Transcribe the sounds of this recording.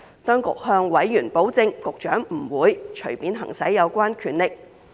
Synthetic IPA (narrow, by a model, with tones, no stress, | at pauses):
t̪ɔː˥ŋkʊ̰˨k̚hœː˧ŋwɐ˨˥jːyː˨˩npo˨˥wt͡sɪ˧ŋkʊ˨k̚t͡ʃœː˨˥ŋm̩˨˩wuː˨˧jt͡ʃʰɵ˨˩ɥpiː˨˥nɦɐ̰˨˩ŋsɐ̰˨˥jːɐ˨˧wkʷwaː˥nkʰyː˨˩nlɪ˨k̚